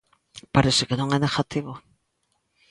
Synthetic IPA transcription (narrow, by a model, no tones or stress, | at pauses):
paɾesɪkenõŋɛneɣat̪iβo